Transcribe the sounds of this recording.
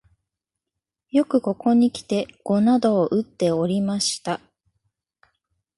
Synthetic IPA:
jo̞kɯ̟ko̞ko̞ɲ̟ikʲi̥t̪e̞ɡ̥o̞nad̪o̞ːʔɯ̟t̪ːe̞o̞ɾʲimaɕi̥t̪a

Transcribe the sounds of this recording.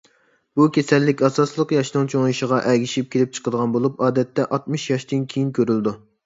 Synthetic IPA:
b̥ukʲʰesɛlːɪkʲɑsɑslˠəqjɑʃnɨŋt͡ʃʰoŋiʃəʁɑʔɛɡʲiʃip̚kʲʰelɪp̚t͡ʃʰə̥qəd̪əʁɑnbolˠupɑːd̪ɛt̪ːɛʔɑt̪̚mɨʃjɑʃt̪ɨnkʲʰejinkʲʰøɾyld̪u

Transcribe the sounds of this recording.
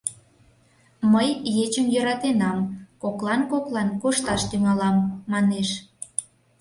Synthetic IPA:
məjjet͡ɕəmjøɾɑt̪enɑmkoklɑnkoklɑnkoʃt̪ɑʃt̪yŋɑlɑmːɑneʃ

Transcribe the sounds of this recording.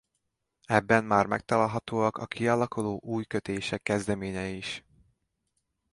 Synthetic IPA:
ɛbːɛmːaːrmɛ̰k̚t̪ɒlaːlɦɒt̪oːɒkɒkʰialɒkuloːʔuːjkøt̪eːʃɛkːɛzd̪ɛmeːɲɛiʃ

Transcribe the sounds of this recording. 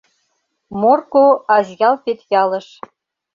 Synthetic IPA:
morkoɑzjɑlfet̪jɑlə̆ʃ

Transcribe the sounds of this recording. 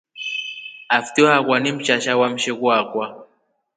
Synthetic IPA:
aftihakwanim̩t͡ʃaʃawam̩ʃɛkwakwa

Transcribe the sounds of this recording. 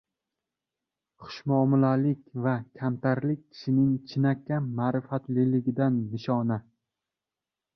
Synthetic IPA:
χʰʊ̥ʃmɒːmɪlalɪkʲvakʲʰamt̪ʰaɾlɪk̚ʲkʲʰɪ̥ʃɪnɪŋt͡ʃʰɪnakʲʰːamaːɾɪfat̪lɪlɪɡʲɪd̪anːɪʃɒna

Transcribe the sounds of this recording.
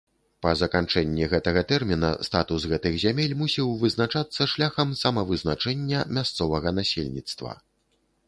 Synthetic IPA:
pɐzɐkant͡ʂɛnʲːɛɣɛt̪ɐɣɐt̪ɛrmʲinɐ̰st̪at̪usɣɛt̪ɨɣzʲamʲelʲmusʲiwvɨznat͡ʂat̪sːɐʂlʲaxɐmsɐmɐvɨznat͡ʂɛnʲːɐmʲast̪sɔvɐɣɐnasʲelʲnʲit̪st̪vɐ̰

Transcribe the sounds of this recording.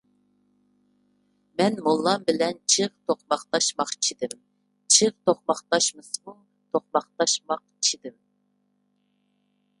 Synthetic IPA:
mɛnmolˠːɑmbɪlɛnt͡ʃʰɨʁt̪ʰoχmɑχt̪ɑʃmɑqt͡ʃʰid̪ɪm | t͡ʃʰɨʁt̪ʰoχmɑχt̪ɑʃmɨsmuŋ | t̪ʰoχmɑχt̪ɑʃmɑq | t͡ʃʰid̪ɪm

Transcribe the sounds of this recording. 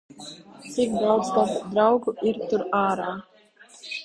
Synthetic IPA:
t̪sikd̪awd̪zt̪asd̪ɾawɡuʔiɾt̪uɾaːɾaː

